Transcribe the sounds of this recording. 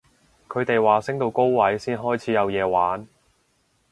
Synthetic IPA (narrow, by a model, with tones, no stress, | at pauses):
kʰɵ˨˧ɥt̪e˨jwaː˨sɪ˥ŋt̪o˧wko˥wwɐ˨˥jsiː˥nɦɔː˥jt͡sʰiː˨˥jɐ˨˧wjɛː˨˧waː˨˥n